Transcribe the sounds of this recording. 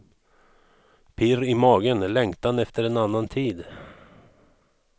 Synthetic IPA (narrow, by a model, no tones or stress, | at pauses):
pʰɪɾɪmɑːɡənlɛŋkt̪anɛft̪əɾɛnanːant̪ʰiːd̪